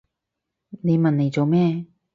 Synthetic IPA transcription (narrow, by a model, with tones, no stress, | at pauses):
ne˨˧jmɐ˨ne˨˧jt͡so˨wmɛː˥˩